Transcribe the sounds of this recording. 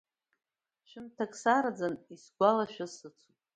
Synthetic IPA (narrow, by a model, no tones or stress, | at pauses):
ʃᶣɪmtʰakʼsaɾd͡zanisɡʷalaʃᶣasɨt͡sʷʰutʼ